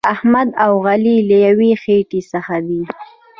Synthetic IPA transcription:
ahmad̪awɣaliləjawixeʈisəxad̪i

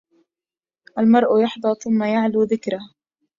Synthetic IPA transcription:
ʔalmɑɾˤʔʊjɑħd̪ˤɑɾθʊmːajaʕluːðɪkɾah

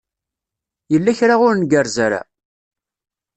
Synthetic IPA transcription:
jəlːæçɾaʁʊɾnɡəɾzaɾa̰

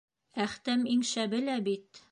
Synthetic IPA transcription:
æχt̪æmiŋʃæbɘ̆læbit̪

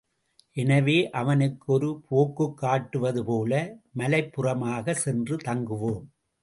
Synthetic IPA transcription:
ʔɛnɐʋeːʔɐʋɐnɯkːɯɔɾɯpʰoːkːɯkːaːʈːɯʋɐðɯpoːlɐmɐlɐɪpːɯrɐmaːɣɐsɛndrɯt̪ɐŋɡɯʋoːm

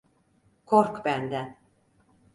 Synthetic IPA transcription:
kʰoɾkbænd̪æn

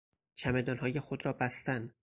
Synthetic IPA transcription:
t͡ʃʰæmed̪ɒːnɦɒːjexod̪ɾɒːbæst̪æn

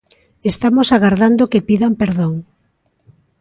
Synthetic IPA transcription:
est̪amosaɣaɾðand̪okepiðampeɾðoŋ

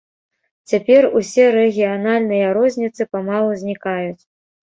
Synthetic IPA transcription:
t͡sʲapʲɛrusʲɛɾɛɣʲijanalʲnɨjɐɾɔzʲnʲit̪sɨpamalˠuzʲnʲikajut͡sʲ

